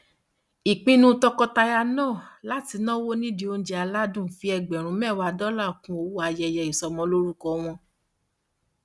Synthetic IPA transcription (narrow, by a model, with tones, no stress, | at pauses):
i˨k͡pĩ˧˦nũ˦tɔ˧kɔ˧ta˧ja˧nɔ̃ː˦˨la˨˦ti˧˦nã˦wo˦nĩ˦di˧o˧n̩˦d͡ʒɛ˧a˧la˦dũ˦˨fi˨˦ɛ˧ɡ͡bɛ˨ɾ̃ũ˨˦mɛ̃˦˨wa˨˧dɔ˦la˦˨kũ˦o˧wu˦a˧jɛ˧jɛ˧˨i˨sɔ˨˧mɔ̃˧˦lo˦ɾu˦kɔ˧˦w̃ɔ̃˧